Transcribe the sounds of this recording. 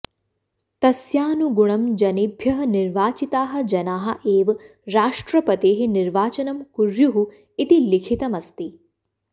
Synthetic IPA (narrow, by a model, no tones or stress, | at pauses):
t̪ɐsjaːnuɡuɳ̃ɐmd͡ʒɐnibʱjɐɦɐniɾʋaːt͡ʃit̪aːɦɐ̆d͡ʒɐnaːɦɐ̆ʔeːʋ | ɾaːʂʈɾɐpɐt̪eːɦiniɾʋaːt͡ʃɐnɐmkuɾjuɦu | it̪ilikʰit̪ɐmɐst̪i